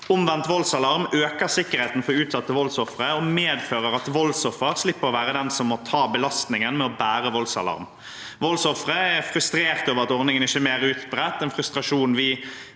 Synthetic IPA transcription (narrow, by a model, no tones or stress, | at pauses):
ʊmʋɛnt̪ʋɔlsɑlɑʁmøːkəʁsɪkːəɾheːt̪n̩fɔɾʉːt̪sɑt̪ːəʋɔlsɔfʁəɔmeːd̪føːʁəɾɑt̪ʋɔlsɔfəʁslɪpːəɾɔʋæːʁəd̪ɛnsɔmːɔt̪ʰɑːbəlɑst̪nɪŋənmɛɔbæːɾəʋɔlsɑ̰lɑ̰ɾm | ʋɔlsɔfɾəɛfʁʉst̪ɾeːʁt̪oːʋəʁɑt̪ɔʁnɪŋənɪçːəmeːɾʉːt̪bɾɛt̪ːɛnfɾʉst̪ʁɑʂuːnʋɪ